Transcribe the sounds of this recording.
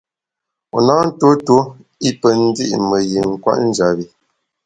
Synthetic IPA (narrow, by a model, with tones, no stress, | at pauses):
o˨na˦n̩˦to˦to˦ | i˦pə˨n̩˦di˦ʔmə˨ji˨ŋ̩˨kwa̰˦ʔn̩˦d͡ʒa˨βi˨